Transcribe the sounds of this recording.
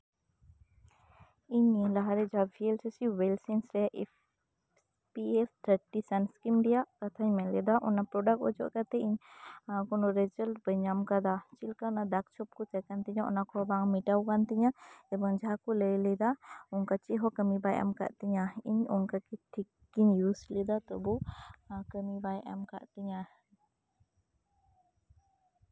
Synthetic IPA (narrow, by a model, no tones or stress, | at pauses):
iɲelaɦaɾɛd͡ʒabʱielsesiwelsĩnsɾɛʔ | s | piest̪ʰəɾʈisɐnskimɖijakɐt̪ʰaɲmɛ̃lɛd̪aʔɔnapɾɔɖək̚ʈɔd͡ʒɔ̰ʔkɐt̪ɛiɲãkɔnɔɾɛd͡ʒəlbəɲamkad̪at͡ʃilkaɔnad̪ak̚t͡ʃʰɔp̚kɔt͡ʃakant̪iɲaʔɔ̰nakɔbaŋmiʈawkant̪iɲaɛbɔŋd͡ʒaɦakuləjlɛd̪aɔŋkat͡ʃiɦɔkəmibaja̰mka̰ʔt̪iɲaḭɲɔŋkakiʈʰikːiɲjuslɛd̪at̪ɔbu | kəmibajʔa̰mka̰ʔt̪iɲa